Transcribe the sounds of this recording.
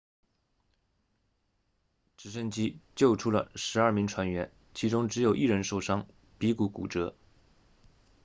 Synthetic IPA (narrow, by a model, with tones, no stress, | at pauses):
ʈ͡ʂɻ̩˧˨˩ʂə˥˩nt͡ɕi˥t͡ɕjo˥˩ʊʈ͡ʂʰu˥lə̰˨ʂɻ̩˧˥ɐ˞˥˩mi˧˥ŋʈ͡ʂʰwa˧˥nɥɛ˧˥n | t͡ɕʰi˧˥ʈ͡ʂʊ˥ŋʈ͡ʂɻ̩˧˥jo˨˩ʊʔi˥˩ɻə˧˥nʂo˥˩ʊʂɑ˥ŋ | pi˧˥ku˧˥kṵ˨˩ʈ͡ʂɤ˧˥